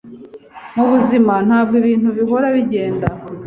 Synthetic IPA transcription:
muβuzimanhaːb̚ɡoβiːnhuβiɦo̞ɾaβiɟe̞ːnda

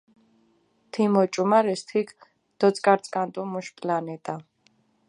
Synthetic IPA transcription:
t̪ʰimɔt͡ʃʼumaɾɛst̪ʰik | d̪̥ɔt͡sʼkʼaɾt͡sʼkʼant̪ʼumuʃpʼlanɛt̪ʼa

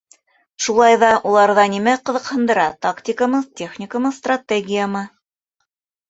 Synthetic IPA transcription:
ʃulˠɑjðɑʔulˠɑɾðɑnʲimæqɤ̆ðɤ̆qhɤ̆nd̪ɤ̆ɾɑt̪aktʲɪkəmɤtʲeχnʲɪkəmɤst̪rat̪ʲeɡʲɪjəmɤ

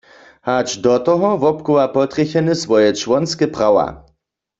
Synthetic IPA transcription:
hat͡ʃd̪ɔt̪ɔɦɔvɔpkuwapɔt̪ʁɛçɛnɪsvɔjɛt͡ʃwɔnskɛpʁawa̰

